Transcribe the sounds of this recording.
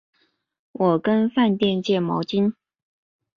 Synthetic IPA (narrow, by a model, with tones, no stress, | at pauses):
wʔɔ˨˩kə˦nfa˥˧nt̪jɛ˥˧nt͡ɕjɛ˥˩mɑ̰˧˥ʊt͡ɕi˥n